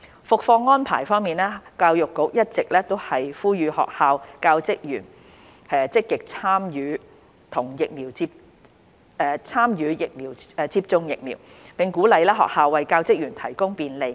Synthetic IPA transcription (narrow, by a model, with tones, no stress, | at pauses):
fʊ˨k̚fɔː˧ŋːɔː˥npʰaː˨˩jfɔː˥ŋmiː˨nɛː˥kaː˧wjʊ˨kːʊ˨˥k̚jɐ˥t̚t͡sɪ˨k̚lɛː˥t̪o˥whɐ˨jfuː˥jyː˨˧hɔ̰ː˨k̚haː˨˧wkaː˧wt͡sɪ˥k̚jyː˨˩n | hɛː˧t͡sɪ˥kːɪ˨k̚t͡sʰaː˥mjyː˨˧ | t̪ʰʊ˨˩ŋjɪ˨k̚miː˨˩wt͡si˧p̚ | ɛ˧t͡sʰaː˥mjyː˨˧jɪ˨k̚miː˨˩wt͡siː˧p̚t͡sʊ˧ŋjɪ˨k̚miː˨˩w | pɪ˨ŋkuː˨˥lɐ˨˧jlɛː˥ɦɔ̰ː˨k̚haː˨wːɐ˨jkaː˧wt͡sɪ˥k̚jyː˨˩nt̪ʰɐ˨˩jkʊ˥ŋpiː˧nle˨j